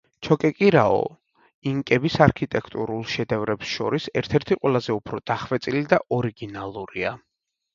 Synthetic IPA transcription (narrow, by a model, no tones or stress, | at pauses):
t͡ʃʰɔkʼɛkʼiɾaɔ̰ | iŋkʼɛbisaɾkʰit̪ʼɛkʰt̪ʼuɾulˠʃɛd̪ɛvɾɛpsʃɔɾisɛɾt̪ʰɛɾt̪ʰiqʼwɛlˠazɛupʰɾɔd̪̥aχvɛt̪sʼilid̪aʔɔɾiɡinalˠuɾia